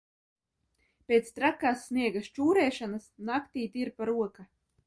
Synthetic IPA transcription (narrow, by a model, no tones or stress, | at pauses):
pʲeːt̪st̪ɾakːaːsːniɛɡast͡ʃuːɾɛːʃanasnakt̪iːt̪ʲiɾpaɾuɔka